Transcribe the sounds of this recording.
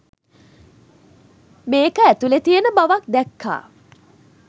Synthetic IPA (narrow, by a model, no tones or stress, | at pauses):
meːkəæt̪ulet̪ijenəbaʋak̚d̪ɛkʰːa̰ː